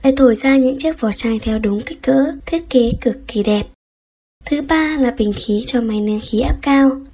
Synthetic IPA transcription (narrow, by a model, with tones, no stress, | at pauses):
ʔa̰ː˧˨jt̪ʰo˧˩jzaː˧ɲɨ̰˧˥ŋt͡ɕi˦˥ək̚fɔ˨˩t͡ɕaː˧˩jt̪ʰɛ˧wɗʊ˨˦ŋ͡mka˦˥k̟̚kə̰ː˧˥t̪ʰi˦˥ət̚ke˨˦kɨ˨˩əkːi˧˩ɗɛ˨˩p̚ | t̪ʰɨ˨˦ɓaː˧laː˨˩ɓï˨˩ŋ̟xi˨˦t͡ɕɔ˧ma˨˦jni˧ənxi˨˦ʔaː˦˥p̚kaː˧w